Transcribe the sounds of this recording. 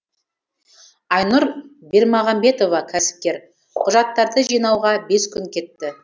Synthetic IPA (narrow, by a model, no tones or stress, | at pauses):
ɑjnʊɾbe̞ɾmɑʁɑmbe̞t̪o̞vɑkʲʰæsɪ̥p̚kʲe̞ɾ | qʰʊʒɑt̪ːɑɾd̪əʒijnɑwʁɑbe̞skʲʰʏŋkʲʰe̞t̪ːɪ